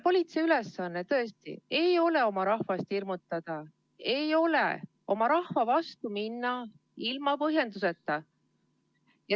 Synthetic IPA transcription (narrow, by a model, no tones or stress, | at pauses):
po̞lʲit̪seyle̞sːɑnːet̪ɤ̞est̪ḭe̞jo̞le̞o̞mɑɾɑhvɑst̪hirmut̪ːˑɑd̪̥ɑ | e̞jo̞le̞̰ | o̞mɑɾɑhvɑvɑst̪uminːɑ | ilmɑpɤɦje̞nd̪use̞t̪ːˑɑ | jɑ